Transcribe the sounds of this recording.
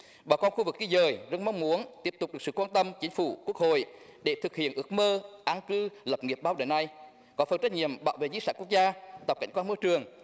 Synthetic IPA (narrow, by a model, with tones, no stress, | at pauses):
ɓaː˧˩wkɔ˧nxu˧vɨ˨˩k̚ki˧zəː˨˩jzə˧nma˧wŋ͡mmu˨˦ənt̪i˦˥p̚t̪k͡p̚ɨ˨˩əksɨ̰˧˨kwaː˧nt̪ə˧mt͡ɕï˨˦ŋ̟fu˧˩ku˦˥ək̚ho̰˧˨jɗe˧˩t̪ʰɨ˨˩k̚hḭ˧˨ənʔɨ˦˥ək̚məː˧ʔaː˧nkɨ˧lə˨˩p̚ŋi˨˩əp̚ɓaː˧wɗə˧˨˩jna˧j | kɔ˨˦fə˨˩nt͡ɕa˦˥k̚ɲḭ˧˨əmɓaː˧˨wvḛ˧˨zḭ˧˦˥saː˧˥ku˦˥ək̚zaː˧t̪ə˨˩ka̰˧˩jŋ̟kwaː˧nmɔ˧t͡ɕɨ˨˩əŋ